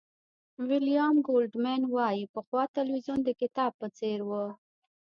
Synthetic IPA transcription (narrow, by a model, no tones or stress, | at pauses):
wɪlijɑmɡolɖmanwɑjipəxwɑt̪alwizjund̪əkɪt̪ɑb̚pət͡seɾwə